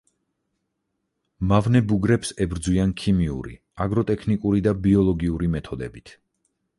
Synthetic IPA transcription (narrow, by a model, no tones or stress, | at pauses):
mavnɛbuɡɾɛpsɛbɾd̪zwiankʰimiṵɾḭ | aɡɾɔt̪ʼɛkʰnikʼuɾid̪abiɔlˠɔɡiuɾimɛt̪ʰɔd̪ɛ̰bit̪ʰ